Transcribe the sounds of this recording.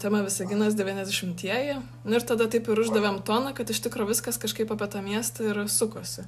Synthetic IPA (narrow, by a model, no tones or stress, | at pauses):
t̪ʲɛmɐʋʲɪsɐɡʲɪnɐs̬d̪ʲɛʋʲiːnʲɛzd̪ʲɛʃʲɪmʲt̪ʲiɛjɛ | nʊɪɾt̪ɐd̪ɐt̪ɐɪpɪɾʊʒd̪ɐʋʲemt̪oːnɐkɐt̪ɪʃt̪ʲɪkɾoːʋʲɪskɐskɐʃkɐɪpɐːpʲiɛt̪ɑmʲiɛst̪ɐɪɾsʊkoːsʲɪ